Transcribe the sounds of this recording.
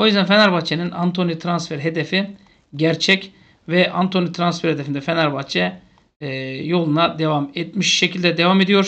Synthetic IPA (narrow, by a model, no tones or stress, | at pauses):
o̞jyzd̪ænfenaɾbat͡ʃʰenina̰nt̪ʰo̞nit̪ʰɾansfɛɾɦed̪efi | ɟæɾt͡ʃʰɛc | vɛʔant̪ʰo̞nit̪ʰɾansfɛɾhed̪efind̪ɛfenaɾbat͡ʃʰɛ | jo̞lˠunad̪evamet̪miʃʃecʰilʲd̪ɛd̪evamed̪ijo̞ɾ